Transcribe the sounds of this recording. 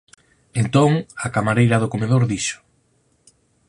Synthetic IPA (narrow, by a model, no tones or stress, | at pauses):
ent̪oŋakamaɾejɾɐðokomeðoɾðiʃʊ̥